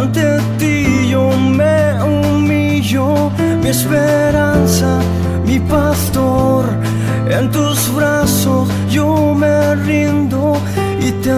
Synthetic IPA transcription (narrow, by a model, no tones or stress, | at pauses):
nt̪e | t̪iʝo | me | u | mi | ʎo | miespe | ɾansa | mipast̪oɾ | ent̪uzβɾasos | ʝome | rind̪o | it̪e